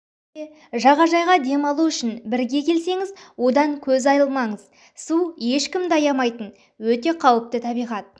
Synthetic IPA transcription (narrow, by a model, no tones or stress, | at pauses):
e | ʒɑʁɑʒɑjʁɑd̪e̞mɑlˠuʏʃɪnbɪɾɡʲe̞kʲʰe̞lse̞ŋɪzwo̞d̪ɑŋkʲʰɵzɑjəlˠmɑɴəz̥ | suje̞ʃkʲɪmd̪ɑjɑmɑjt̪ən | wɵt̪e̞qʰɑwəp̚t̪ət̪ʰɑbijʁɑt̪̚